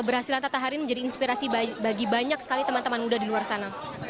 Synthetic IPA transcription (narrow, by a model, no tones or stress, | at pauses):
əbərɦasilant̪at̪aɦaɾinməɲd͡ʒadiinspiɾasibaɡibaɲaksə̥kalit̪əmant̪əmanmudadiluarsana